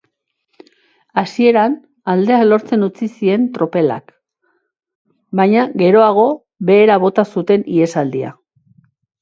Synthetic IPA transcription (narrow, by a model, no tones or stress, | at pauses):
asie̞ɾan | ald̪e̞alo̞ɾt͡se̞nut͡sisie̞nt̪ɾo̞pe̞la̰k | bajɲaɣe̞ɾo̞aɣ̞o̞ | βe̞ːɾaβ̞o̞t̪asut̪e̞nie̞sald̪ia̰